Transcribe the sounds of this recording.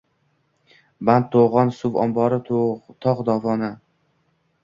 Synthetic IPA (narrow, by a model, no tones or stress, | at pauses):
bant̪ʰːoʁɒnsʊvɒ̰mbɒɾɪtt̪ʰɒʁd̪ɒvɒna